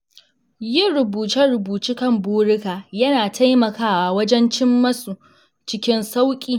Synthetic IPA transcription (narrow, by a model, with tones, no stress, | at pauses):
jɪ˦˨ɽʊ˨buː˨tɐ˦rɽʊ˨buː˨t͡ʃiː˦kɐ˦˨mbuː˦ɽɪ˦kaː˨jɐ˦naː˨tʰa˦jmɐ˨kaː˦waː˨wɐ˦d͡ʒɛ˦nt͡ʃɪ˦mːɐ˦su˨ | t͡ʃɪ˦kʲɪ˦nsa˦wkʲʼiː˨